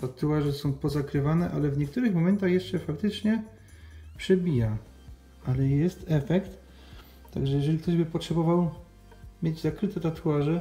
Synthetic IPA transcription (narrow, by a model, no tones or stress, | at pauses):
t̪at̪uaʐɛsɔ̃w̃pɔzakɾɘvanɛʔalɛvɲɛk̚t̪uɾɘxmɔmɛnt̪axjɛʂt͡ʂɛfakt̪ɘt͡ʂɲɛ | pʂɛbʲija | alɛjɛst̪ɛfɛkt̪ː | a̰ɡʐɛjɛʐɛlʲik̚t̪ɔʑbɘpɔtʂɛbɔvaw | mʲjed͡ʑzakɾɘt̪ɛt̪at̪ʰuaʐɛ